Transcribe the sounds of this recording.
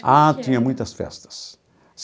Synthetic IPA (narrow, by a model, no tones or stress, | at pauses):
at̪ĩɲɐmũj̃t̪ɐsfɛ̰st̪ɐ̥s | s